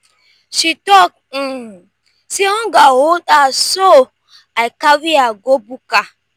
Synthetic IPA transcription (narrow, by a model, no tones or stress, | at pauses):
ʃitɔk̩̚ | siɔ̃ɡawoɗaso | aɪkawiaɡobuka